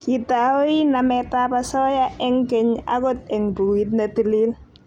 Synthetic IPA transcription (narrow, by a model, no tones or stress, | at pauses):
kitawinamɛtapasɔjaʔɛŋkɛɲa̰kɔt̚ɛŋbuwit̚natilil